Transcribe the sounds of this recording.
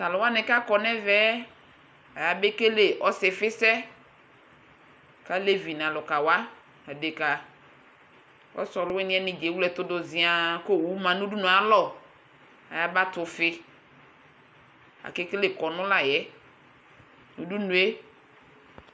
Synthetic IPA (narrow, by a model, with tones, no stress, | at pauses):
ta˨lʊ˨wa˦nɛ˨ka˦kɔ˨nɛ˦vɛ˦ | a˨ja˨be˦ke˦le˨ʔɔ˦sɪ˨fɪ˦sɛ˦ | ka˦le˦vi˨n˨ã˨lʊ˨ka˨wa˦ | a˨de˨ka˨ | ɔ̰˦sɔ˨lʊ˦ɛ˦nɪ̃˦ɛ˦nɪ̃˨d͡ʒe˨˦wu˦lɛ˨t̪ʊ˦dʊ˨zɪ˨a˨ko˦˨wu˦mã˨nũ˦du˦nũ˨a˦lɔ˦˨ | a̰˨ja˨ba˦t̪ʊ˨fɪ˦ | a̰˨ke˦ke˦le˨kɔ˨nʊ̃˦la˨jɛ˦ | nu˨du˦nũ˨e˦